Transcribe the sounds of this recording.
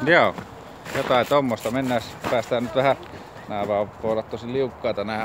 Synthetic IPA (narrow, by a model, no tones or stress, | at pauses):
joˑo | jot̪ɑˑet̪omːost̪ɑmenːæˑspæːst̪æːsnyt̪ʋæhæ | næˑeʋɑːpoˑolɑt̪t̪ːosilliukːɑˑːt̪ɑnæˑ